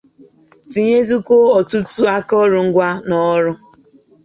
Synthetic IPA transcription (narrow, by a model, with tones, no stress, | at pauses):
ti˨ɲe˦zu˦ko˦ɔ˨tu˦tu˦a˦kɔ˦ɾʊ˨ŋ̩˦ɡʷa˦nɔ˦ɾʊ˦